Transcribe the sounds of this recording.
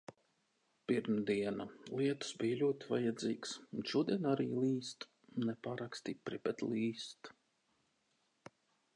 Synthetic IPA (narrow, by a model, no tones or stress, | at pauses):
piɾmd̪iɛnalˠiɛt̪u̥sbijalʲuɔt̪ʲiva̰jɛd̪ziːksunʃuɔd̪iɛnaɾḭːlˠiːst̪ | nɛpaːɾakst̪ipɾib̥ɛt̪lˠiːst̪